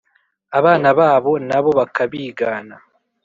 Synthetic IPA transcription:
aβaːnaβaːβo̞naβo̞βakʰaβiːɡaːna

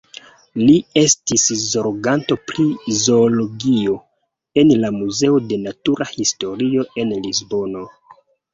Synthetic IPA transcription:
lie̞stiszoɾɡanto̞pɾizo̞ːlo̞ɡio̞ | e̞nlamuze̞ode̞natuɾʔahisto̞ɾio̞e̞nlizbo̞no̞

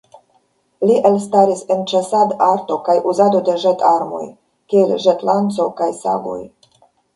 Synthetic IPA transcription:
liʔelst̪aɾisent͡ʃesad̪aɾto̞kajʔuzad̪o̞d̪e̞ʒetʰaɾmo̞̰j | kielʒet̪lantt͡so̞kajsa̰ɡo̰j

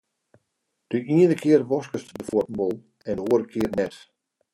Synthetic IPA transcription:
d̥yʔiənəkʰɪərʋɔskəstdəfɔtn̩bɔlˠ | ɛndəoːəɾəkʰɪərnɛt

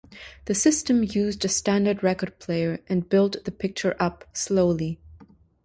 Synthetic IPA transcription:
ðɨsɪstɨ̃mjʉzdɨstæ̃ndə˞d̚ɹɛkə˞d̚pʰl̥eɪə˞ʔɨ̃nbɪlˠt̪ðɨpʰɪk̚t͡ʃə˞ʔʌpsloʊlˠi

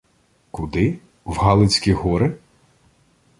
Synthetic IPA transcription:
kʊd̪ɪ | wɦɑlˠɪt͡sʲkʲiɦɔɾɪ

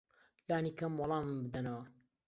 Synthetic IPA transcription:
laːniːkɐmwɑlˠɑːmmbɨd̪ɐnɐwɐ

